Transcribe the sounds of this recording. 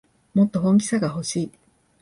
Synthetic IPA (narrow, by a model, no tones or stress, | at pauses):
mo̞t̪ːo̞ɦõ̞ŋk̬ʲi̥saɡaɦo̞ɕiː